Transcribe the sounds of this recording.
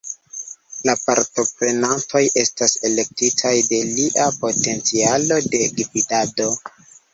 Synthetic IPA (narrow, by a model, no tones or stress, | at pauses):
lapaɾto̞pɾe̞nanto̞jʔe̞stase̞le̞k̚titʰajde̞liʔapo̞te̞nt͡sialo̞de̞ɡividado̞